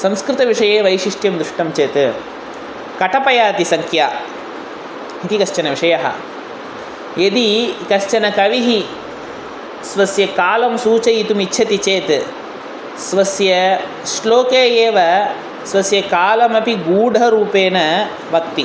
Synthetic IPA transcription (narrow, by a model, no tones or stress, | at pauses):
sɐmskɾɪt̪ɐʋiʂɐjeːʋɐjʃiʂʈjɐmd̪ɾʊʂʈɐmt͡ʃeːt̪ | kɐʈɐpɐjaːt̪isɐŋkʰjaː | it̪ikɐʃt͡ʃɐnɐʋiʂɐjɐɦɐ̰ | ed̪ikɐʃt͡ʃɐnɐkɐʋiɦi | sʋɐsjɐkaːlɐmsuːt͡ʃɐit̪umitːʃʰɐt̪it͡ʃeːt̪ | sʋɐsjɐ | sloːkeːjeːʋɐ | sʋɐsjɐkaːlɐmɐpiɡuːɖʱɐɾuːpeːnɐ | ʋɐk̚t̪i